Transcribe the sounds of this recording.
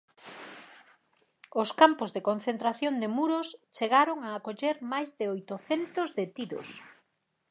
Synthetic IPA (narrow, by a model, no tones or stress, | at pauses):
oskampozðekõn̟θent̪ɾaθjond̪emuɾost͡ʃeɣaɾoŋaːkoʎeɾmajzðɪojt̪oθent̪ozðet̪iðo̰s